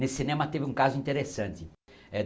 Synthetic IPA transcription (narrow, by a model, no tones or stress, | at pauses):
nesinẽmɐt̪evɪũkazʊĩnt̪eɾesɐ̃nt̪ɪɛ